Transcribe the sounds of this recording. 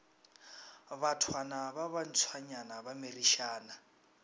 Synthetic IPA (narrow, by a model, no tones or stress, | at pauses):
βatʰwanaβaβan̩t͡sʰwaɲanaβamiriʃaːna